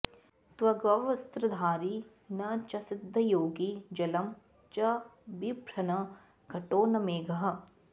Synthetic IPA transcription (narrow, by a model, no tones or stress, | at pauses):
t̪ʋɐɡɐʋɐst̪ɾɐd̪ʱaːɾiː | nɐt͡ʃɐsɪd̪ʱːɐjoːɡid͡ʒɐlɐm | t͡ʃɐbibɾɐnɐ | ɡʱɐʈoːnɐmeːɡɐɦɐ